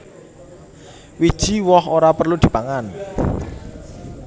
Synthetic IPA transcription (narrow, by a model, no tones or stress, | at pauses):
wid̥ʒ̥i̤wɔhoɾapərlud̪̥i̤paŋan